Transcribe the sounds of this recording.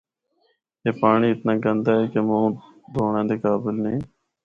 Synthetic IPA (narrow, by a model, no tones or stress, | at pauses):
eːpaːɳiːɪt̪nãːɡənd̪aːɦeːkemõː | d̪ʱoːɳãːd̪eːkaːbɪlnẽː